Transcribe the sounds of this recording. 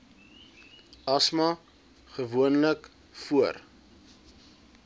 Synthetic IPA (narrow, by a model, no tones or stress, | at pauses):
ɐsmɐ | χəvuənlək | fuər